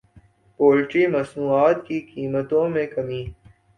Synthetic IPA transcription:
poːlʈɾimɐsnuːaːt̪kikiːmət̪õmẽkɐmiː

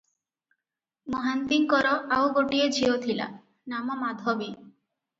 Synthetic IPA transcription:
moɦant̪iŋkɔɾɔawɡoʈied͡ʒʱiot̪ʰila̰ | namɔmad̪ʱɔbi

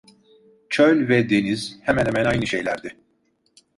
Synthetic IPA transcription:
t͡ʃʰølʲvɛd̪e̞niz̥hɛmænhɛmænajnɯʃejlʲæɾd̪ɪ

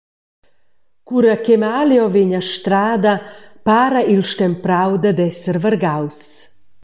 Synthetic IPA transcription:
kuɾakemaːljɔveɲaʃt̪ɾaːd̪apaːɾailʃt̪ɛmpɾawd̪ad̪ɛsəɾvərɡaws

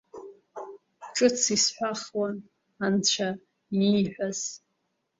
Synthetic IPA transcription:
ʈ͡ʂʼɨt͡sʰisħʷaχwan | ant͡ɕʷʰa | iħʷᶣaz̥

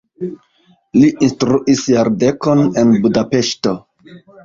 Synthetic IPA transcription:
liʔinstɾuʔisjaɾde̞ko̞ne̞nbudape̞ʃto̞

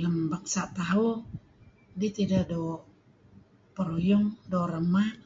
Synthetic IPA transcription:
ləmbaŋsat̪aɦɔ | dit̪idado | pəɾojɔŋdoɾəma

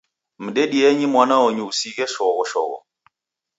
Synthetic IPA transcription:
m̩ɗeɗieɲimwanaoɲusiɡɛʃɔɣɔʃɔ̰ɣɔ̰

